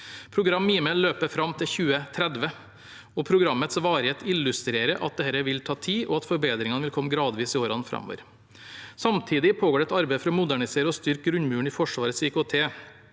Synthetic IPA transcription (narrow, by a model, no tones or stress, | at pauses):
pʰɾʊɡɾɑmːiːmɛllːøːpəɾfɾɑmt̪ʰɪlçʉːət̪ʰɾɛd̪ʋə | ɔpʰɾʊɡɾɑmːət̪sʋɑːɾheːt̪ʰɪlːʉst̪ɾeːɾəʔɑ̰t̪̚d̪ɛhæɾəʋɪlt̪ʰɑːt̪ʰiːʔɔɑt̪fɔɾbeːd̪ɾɪŋɑnəʋɪlkʰɔmːɡɾɑːd̪ʋiːsɪoːɾɑnfɾɑ̰mːo̰ːʋə̰ɾ | sɑmt̪ʰiːd̪ɪpʰoːɡoːɾɛt̪ɑɾbeɪəfɾɔmʊd̪æɳɪseːɾəɔst̪ʏɾk̚ɡɾʉɲmʉːɳ̩iːfɔʂʋɑːɾət̪sɪkoːt̪ʰeː